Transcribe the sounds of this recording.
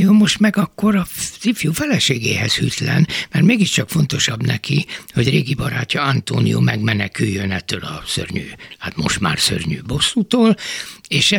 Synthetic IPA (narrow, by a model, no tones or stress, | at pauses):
joːmo̞ʃt̪mɛɡɒkːo̞ɾɒzifjuːfɛlɛʃeːɡeːɦɛz̥hyt̪lɛ̰nmɛrt̪meːɡiʃt͡ʃɒkfo̞nt̪o̞ʃɒbnɛkiho̞ɟreːɡibɒɾaːcːɒɒnt̪oːnijo̰ːmɛɡmɛnɛkyjːønɛt̪ːøːlɒsø̰rɲyːhat̪mo̞̰ʃt̪ma̰ːrsø̰rɲyːbo̞sːut̪oːleːʃɛ